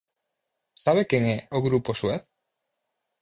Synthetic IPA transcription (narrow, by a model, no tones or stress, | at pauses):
saβekeŋeoɣɾuposuet̪̚